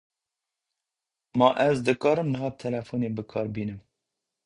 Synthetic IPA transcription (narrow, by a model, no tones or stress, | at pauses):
mɑʔɛzd̪ɨkɑːɾɨmnɨɦɑːt̪ʰɛlɛfuːneːbɨkʰɑːɾbiːnɨm